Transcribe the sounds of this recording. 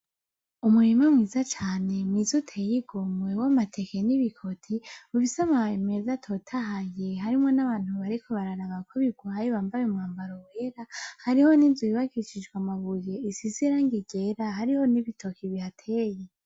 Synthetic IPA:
umuɾimamŋiːzat͡ʃaːne̞mŋizutʰejiɡomwe̞wamatʰe̞keniβikʰo̞tʰiuβisamame̞zatʰo̞tʰaɦaje̞ɦaɾimŋo̞naβaːn̥huβaɾikʰo̞βaɾaɾaβakʰoβiɡwaːjiβaːmbajemŋaːmbaɾoweɾahaɾiho̞ninzuiβakit͡ʃid͡ʒɡwamaβuje̞isiziɾaŋɡiɡe̞ɾaɦaɾiho̞niβitʰo̞kʰiβihatʰeje

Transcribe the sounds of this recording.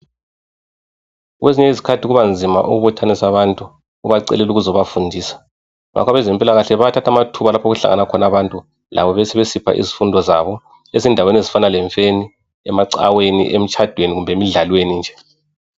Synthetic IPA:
ɣweziɲɛizikʰatʰiɣuβand͡zʱima̰ʔṵɣuβɔtʰanisaβantʼu | uβaǀɛ̰lɛluɣuzɔβafundʱiːsḁ | ŋʔa̰kʰɔβɛzimpʼilaɣaɬɛβaatʰatʰamatʰuβalapʰaoɣuɬa̰ŋanakʰɔnaβantʼu | lʔa̰βɔβɛsɛβesipʰa̰ʔḭzifundʱɔza̰βɔ | esindʱawenezifanalɛɱfeni | ɛmaǀa̰wenḭʔem̩t͡ʃʰʼad̥ʱweniɣumbʱemiɮalwenind͡ʒʱɛ

